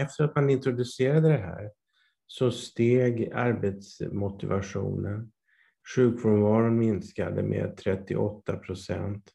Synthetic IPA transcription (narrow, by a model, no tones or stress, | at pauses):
ɛft̪əɾat̪manɪnt̪ɾʊd̪ɵseːɾad̪əd̪ɛɦæ̰ːɾ | sɔst̪eːɡaɾbet̪smʊt̪ɪvaɧṵːnən | ɧʉ̟ːkvɔɾvɑːɾənmɪnska̰d̪ə̰mʔḛːt̪ʰɾɛt̪ːɪ̰ʔɔt̪ːapʰɾʊsɛ̰nt̪